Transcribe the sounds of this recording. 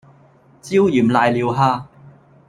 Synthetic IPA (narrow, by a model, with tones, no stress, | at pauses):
t͡siː˥wjyː˨˩mlaː˨˧jliː˨˧wɦaː˥